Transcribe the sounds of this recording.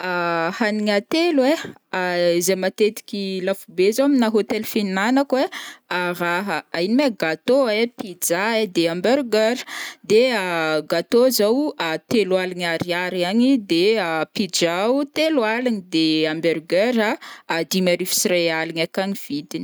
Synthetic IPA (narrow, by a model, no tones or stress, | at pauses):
ahaniɲat̪elwe | aizemat̪et̪i̥kʲilafubezowaminaɦot̪elfinnanakweaɾaɦəainimeɡat̪oepid͡ʒaed̪eambeɾɡeɾ̥d̪eaɡat̪ozawat̪elwalaɲaɾiaɾaɲid̪eapid͡ʒaut̪elwalanid̪eambeɾɡeɾaːd̪imaɾifi̥srealiɲakaɲiv̥id̪ini